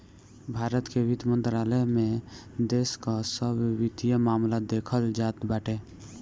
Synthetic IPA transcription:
bʱaːɾət̪keʋɪd̪mə̃nt̪ɾaːləmẽd̪eːskasəbwɪd̪ijəmaːmlad̪eːkʰəld͡ʒaːt̪baːʈe

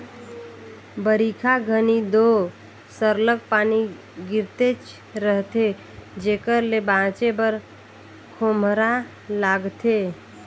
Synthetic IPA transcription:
bəɾikʰaɡʱənid̪o | səɾləkpaːni | ɡɪɾt̪et͡ʃ | ɾəɦt̪e | d͡ʒekəɾlebãt͡ʃebəɾ | kʰomɾa | laːɡt̪e

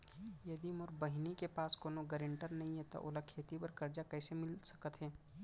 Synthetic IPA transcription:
jɐd̪imʊɾbɐɦɪnikepaːskoːnoɡəɾɪ̃ɳʈəɾnɐɦĩɦɛt̪o̰ʔʊ̰lakʰːeːt̪ipɐɾkɐɾd͡ʒakɛːsemɪlsɐ̥kət̪ɦɛː

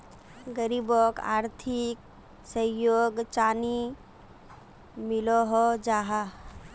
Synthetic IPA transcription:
ɡəɾiboka̰ːɾt̪ʰɪk̚ | səjoːɡt͡ʃaːni | mɪloɦod͡ʒaːɦa

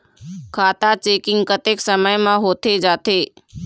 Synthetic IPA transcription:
kʰaːt̪at͡ʃeːkɪ̃ŋɡkət̪eːksəməjmãɦoːt̪ed͡ʒaːt̪eː

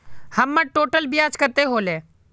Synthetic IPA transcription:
həmːəʈoːʈəlbiaːt͡ʃkət̪eɦoːleː

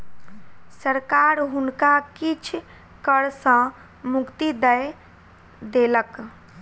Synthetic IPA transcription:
səɾkaɾɦʊnkakit͡ʃʰ | kəɽsə̃ | mʊkt̪id̪əj | d̪elək

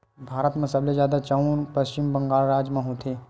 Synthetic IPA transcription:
bʱaːɾət̪mẽsɐblezjaːd̪at͡ʃaːũnpəst͡ʃɪmbə̃ŋɡaːlɾaːd͡ʒmẽɦõːt̪ʰeː

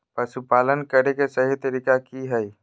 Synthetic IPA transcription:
pəʃupaːlənkəɾekesəɦit̪əɾikakiɦəi

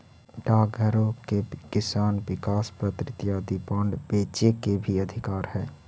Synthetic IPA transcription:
ɖaːɡʱəɾõkekɪsaːnʋɪkaːspɾət̪ɾɪt̪jaːd̪ipãːɳɖbeːt͡ʃekebʱiɐd̪ʱɪkaːɾhɛː

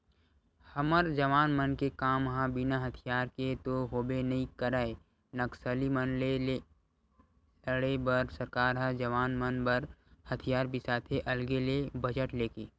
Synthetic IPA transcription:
həməɾd͡ʒəʋaːnmənkekaːmɦãbɪnaɦət̪ʰijaːɾket̪oɦoːbenɐɦĩkəɾəe | nəksəlimənle | ləɽebəɾsəɾkaːɾɦad͡ʒəʋaːnmənbəɾhət̪ʰijaːɾbisaːt̪ʰeʔɐlɡelebəd͡ʒəʈleːkeː

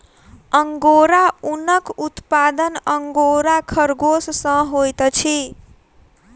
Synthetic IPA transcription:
ʌŋɡoɾaunʌkut̪pad̪ʌnʌŋɡoɾakʰʌrɡossʌ̃ɦojt̪ʌt͡sʰi

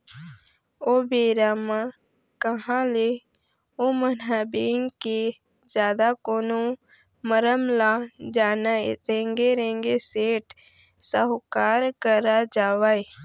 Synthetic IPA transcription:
oːbeːɾaːmã | kəɦãle | omənɦaːbiːŋke | zjaːd̪akoːno | məɾəmlad͡ʒaːnaɾẽːŋɡeɾẽːŋɡeseːʈ | səɦʊkaːɾkəɾad͡ʒaːʋae

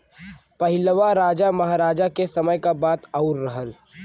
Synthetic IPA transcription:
pɐɦɪləʋaɾaːd͡ʒamɐɦaːɾaːd͡ʒakesɐməjkabaːt̪aʊɾːɐɦəl

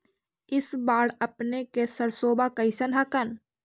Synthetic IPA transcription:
ɪsbaːɽɐpnekesəɾsoːbakəɪsənɦakən

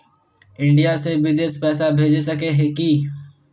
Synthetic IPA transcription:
ɪ̃ɳɖijasebɪd̪eːspɛːsabʱeːd͡ʒsɐkeɦeki

